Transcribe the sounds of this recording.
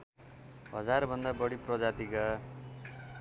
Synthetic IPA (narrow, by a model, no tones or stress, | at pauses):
ɦʌd͡zarbʱʌnd̪abʌɽiprʌd͡zat̪ika